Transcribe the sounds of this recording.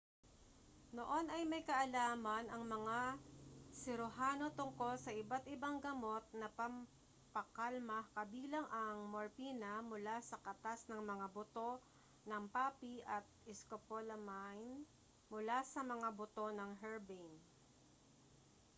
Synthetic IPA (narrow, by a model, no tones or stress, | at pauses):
noʔo̞nɐjmɐjkɐʔɐlaːmɐnɐŋmɐŋa | sɪɾʊɦaːno̞t̪ʊŋko̞lsɐʔɪbat̪ɪbaŋɡɐmo̞t̪̚nɐpɐm | pɐkalmɐhkɐbiːlɐŋʔɐŋmoɹpiːnɐmʊlasɐkɐt̪asnɐŋmɐŋabʊt̪o̞ | nɐŋpaːpiʔɐt̪̚ɪskopolɐmajn | mʊlasɐmɐŋabʊt̪o̞nɐŋɦɛɹbɛjn